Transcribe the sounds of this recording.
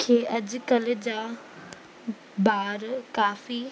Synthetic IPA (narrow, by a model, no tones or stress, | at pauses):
kʰeːʔɐd͡ʑkɐld͡ʑaː | baːɾkaːfi